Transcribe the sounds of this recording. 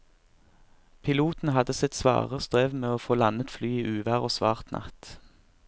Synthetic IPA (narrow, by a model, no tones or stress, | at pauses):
pʰɪluːt̪n̩hɑd̪əsɪt̪sʋɑ̰ːʁəst̪ʁeːʋmeːoːfoːlɑnət̪flyːiːʔʉːʋæʁoːsʋɑ̰ːʁt̪nʔɑ̰t̪